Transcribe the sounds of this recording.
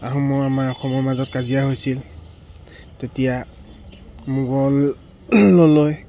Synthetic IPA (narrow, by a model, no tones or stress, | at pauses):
aɦɔ̃mɔamaɹɔxʰɔmɔɹmazɔtkazijaɦojsil | tetija | muɡɔlː | oloj